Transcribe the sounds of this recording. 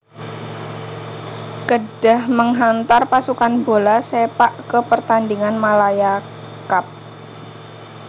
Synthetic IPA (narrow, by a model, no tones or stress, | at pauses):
kəd̥ahməŋɦant̪arpasukanbolasepaʔkəpərt̪andiŋanmalaja | kap̚